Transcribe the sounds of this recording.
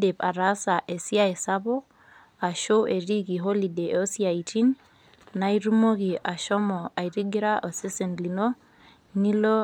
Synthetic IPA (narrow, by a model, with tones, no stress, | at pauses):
de˨pa˨ɾa˦sa˨ʔe˨si˦a˦e˨sa˦bɔ˦k | a˨ʃo˦we˨ɾi˦ki˨ɦo˦li˨de˨o˦si˦a˨i˨ti˦n | na˨iɾu˦mo˦ki˨a˨ʃɔ˦mɔ˨a˨i˨ɾi˦ɡi˦ɾa˦ʔɔ˨se˦se˨nli˨no˦ | ni˦lo˦